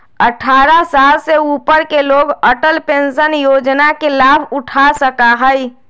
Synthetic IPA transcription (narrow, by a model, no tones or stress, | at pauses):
əʈʰaːɾasaːlseuːpəɾkeloːɡəʈəlpẽnsənjoːd͡ʒnakelaːbʱʊʈʰasəkaɦəj